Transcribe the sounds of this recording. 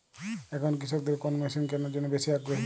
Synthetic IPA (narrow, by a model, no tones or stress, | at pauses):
ɛkʰɔnkisʰɔk̚d̪eɾkonmesinkɛnod͡ʒɔnebesiaɡɾoɦi